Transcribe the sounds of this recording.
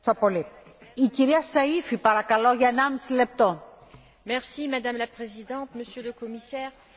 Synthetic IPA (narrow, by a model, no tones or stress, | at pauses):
opoli | iciɾiɐsɐifipɐɾɐkɐloʝɐenamsile̞p̚t̪o | mɛʁsimad̪amlapχezid̪ɑ̃t̪məsjøləkɔmisɛːʁ